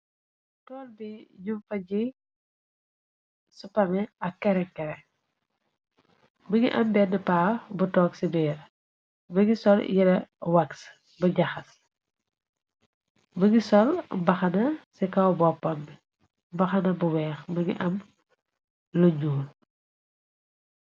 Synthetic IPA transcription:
tɔːlbiɲumfɐɟi | supɐmɛɐkkːɛɾɛŋkɛɾɛŋ | bəŋḭʔɐmbɛnːɛpaːbutɔːksibɛɾ | bɐŋisɔljɛɾɐwɐks | bɐɟɐxɐs | bəŋisɔlbɐxɐnɐsikɐwbɔpːɐmbi | bɐxɐnɐbuwɛːxbɐŋḭʔɐm | lɔɲuːl

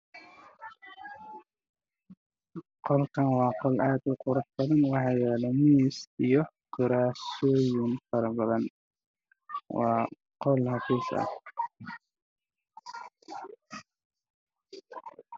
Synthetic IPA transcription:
qɔlkʰɐnwɑːqɔlʔaːd̪ʊqʊɾʊħbɐðɐnwɑħɑːjɛːlɛmiːsijɔ | kʰʊɾaːsɔːjʊnfɐɾɐbɐðɐn | wɑ̰ː | qɔlhɐfiːsɐ̰h

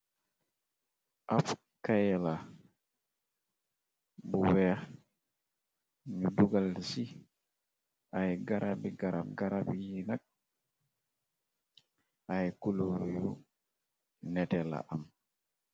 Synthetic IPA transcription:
ʔaf | kajɛla | bɔwɛa | ɲuduɡalsi | ʔajɡaɾʔabiɡaɾamɡaɾabijinak̚ | ʔajkuloɾuju | nɛtɛla̰ʔam

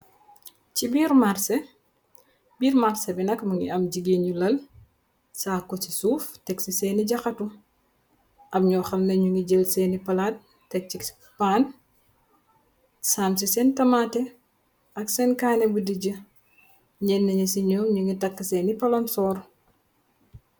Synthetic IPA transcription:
cibiːɾmaɾsɛ | biːɾmaɾsɛbinɐkmuŋɡḭɐmɟiɡeɲulɐl | saːkːɔt͡ʃisuːftɛksisɛːniɟɐxɐtu | ʔɐmɲɔːxɐmnɐɲuŋiɟəlsɛnipɐlat̚ːɛk̚t͡ʃi | paːn | sams̬isɛntɐmatɛ | ɐksɛnkaːnɛbudiɟə | ɲɛnːɐɲisiɲɔːmɲuŋɡitɐkːɐsɛːnipɐlɔnsɔːɾ

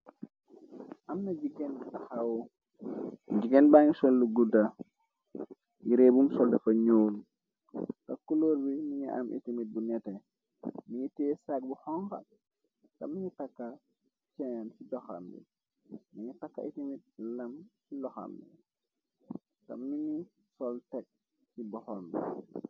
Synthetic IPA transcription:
ʔamnad͡ʒiɡɛnbaxawɔ | d͡ʒiɡɛnbaɲisɔlːuɡuda | jiɾebumsɔldɛfaɲoːlu | kakːuloɾbimiɲia̰mʔḭtimit̚bunɛtɛ | miɲitesak̚buhɔŋka̰ | ka̰mːiɲitakːa | t͡ʃɛŋansidɔxa̰mbḭ | miɲitakːa̰itimit̚lamsilɔxa̰mbḭ | ka̰mːiɲi | sɔltɛk̚ | sibɔhombḭ

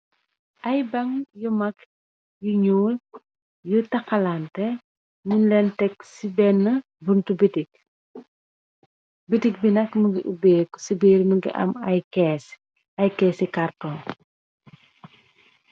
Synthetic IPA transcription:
ʔɐjbɐŋjumɐk | juɲuːl | jutɐxɐlantɛ | minlɛntɛksibɛnːə | buntubitik̚ | bitik̚binɐkməɡiʔubɛːkɔ̥sibiːɾməɡḭʔɐ̰mɐjkɛs | ɐjkɛːsikartɔːn

